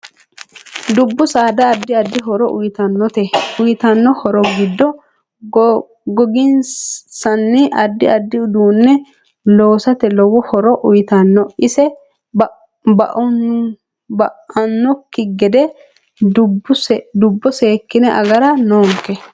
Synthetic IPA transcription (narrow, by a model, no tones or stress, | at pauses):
d̪ʊbːʊsaːd̪ɐːd̪ːɪɐd̪ːɪɦɔɾɔʔʊjt̪ɐnːɔt̪ɛʊjɪt̪ɐnːɔhɔɾɔɡɪd̪ːɔ | ɡɔɡɪnsɐnːɪʔɐd̪ːɪɐd̪ːɪʊd̪uːnːɛ | lo̞ːsɐt̪ɛlɔwɔhɔɾɔʔʊjɪt̪ɐnːɔʔɪsɛ | bɐʔ | bɐɐnːɔkːɪɡɛd̪ɛ | d̪ʊbːɔseːkːɪnɛʔɐɡɐɾɐnoːŋkːɛ